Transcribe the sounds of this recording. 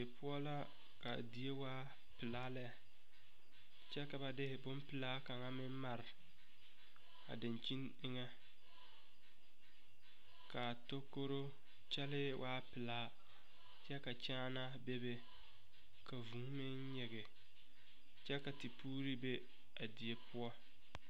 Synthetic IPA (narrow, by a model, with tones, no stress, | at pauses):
e˨pʰʊ˦ɔ˦la˦ | ka̰˨di˨e˦waː˦ | pɪ˨la˦lɛ˦˨ | t͡ʃɛ˦ka˨ba˨dɪ˦hɪ˨bʊ˦mpɪ˨laː˦ka˨ŋa˦mɪ˦m˦ma˨ɾɪ˨ | a̰˨dɪ˨nt͡ʃi˦n | ɪ˦ŋɛ˦ | ka˨to˦ko˦ɾo˦ | t͡ʃɛ˦lɪ˦wʔaː˦pɪ˨laː˦ | t͡ʃɛ˦ka˨t͡ʃaː˦na˦be˦be˦ | kʰa˨vu˨ŋ˦mɪ˦n˦ɲɛ˨ɡɛ˨ | t͡ʃɛ˦ka˨ti˨pʰuː˦ɾi˦be˦ | a˨di˨je˦pʊ˦ɔ˦